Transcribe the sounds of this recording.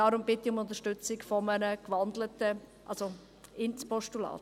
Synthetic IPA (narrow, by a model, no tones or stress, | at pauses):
ɑːɾʊmbɪtːiʊmʊnt̪əʃtʏt͡sɪkfɔmənəkʋɑnd̪lətəʔɑ̰lso | ɪnt͡spɔʃtulɑ̰ːt